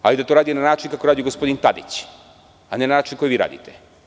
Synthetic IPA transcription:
a̰lid̪at̪oɾaːd̪ijonanaːt͡ʃinkakoɾaːd̪ioɡospo̞d̪int̪ad̪ḭt͡ɕ | anenanaːt͡ʃinko̞jʋiːɾa̰ːd̪ḭt̪e̥

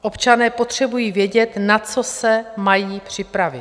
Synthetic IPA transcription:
ʔo̞pt͡ʃanɛːpo̞t̪r̝̥ɛbujiːvjɛɟɛt̪nat͡so̞sɛmajiːpr̝̥ɪpɾavɪ

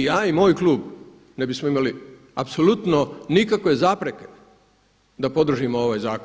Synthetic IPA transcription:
jaːimo̞ːjkluːb | nebismoimali | apsolut̪nonikakʋe̞zaːpɾe̞ke̞̥ | d̪apo̞d̪r̩ʒimoo̞ʋaːjzaːko

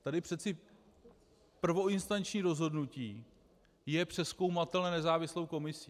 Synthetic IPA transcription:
t̪adɪpr̥ɛt̪t͡sɪ | pr̩vo̞ɪnst̪ant͡ʃɲiːɾo̞zɦo̞dnuciː | jɛpr̝̥ɛsko̞wmat̪ɛlnɛnɛzaːvɪslo̞wko̞mɪsiː

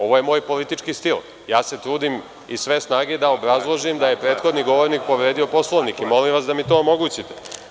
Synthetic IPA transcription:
o̞ʋo̞jemo̞ːjpo̞lit̪it͡ʃkist̪il | jaːse̞t̪ɾuːd̪im | isʋe̞snaːɡe̞d̪aobɾazlˠo̞ʒimd̪aje̞pɾe̞ːt̪xo̞d̪niɡo̞ʋo̞ɾnik̚po̞ʋɾe̞ːd̪iopo̞slˠoʋnikimo̞limʋasd̪amit̪o̞ːmo̞ɡuːt͡ɕit̪e

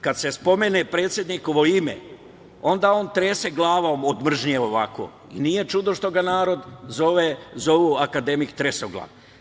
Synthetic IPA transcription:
kad̪se̞spo̞menepɾe̞ːt̪sje̞d̪nikoʋo̞imḛ | o̞nd̪aːo̞ːnt̪ɾeːseɡlˠaːʋomod̪mr̩ʒnijeo̞ʋako̰ | ḭnije̞t͡ʃud̪oʃt̪o̞ɡanaːɾo̞d̪zo̞ʋezoʋuakad̪e̞mikt̪ɾesoɡlˠa̰ʋ

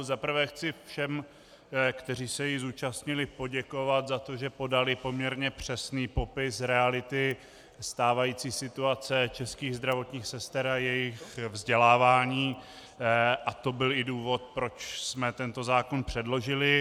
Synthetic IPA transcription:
zapr̩vɛxt͡sɪfʃɛm | kt̪ɛr̝iːsɛjɪzuːt͡ʃast̪ɲɪlɪpo̞ɟɛko̞vat̪zat̪o̞ʒɛpo̞dalɪpo̞mɲɛɾɲɛpr̝̥ɛsniːpo̞pɪsɾɛalɪt̪ɪ | st̪aːvajiːt͡siːsɪt̪uat͡sɛt͡ʃɛskiːɣzd̪ɾavo̞t̪ɲiːxsɛst̪ɛɾajɛjɪxvzɟɛlaːvaːɲiː | ʔat̪o̞bɪlɪduːvo̞t̪̚pɾo̞t͡ʃsmɛt̪ɛnt̪o̞zaːkonpr̝̥ɛdlo̞ʒɪlɪ

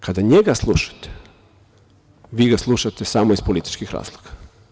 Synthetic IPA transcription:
kʰad̪aɲeɡaslˠuʃḁt̪e̥ | ʋiɡaslˠuʃat̪esamoispolit̪i̥t͡ʃkixɾa̰ːz̥lˠoɡḁ

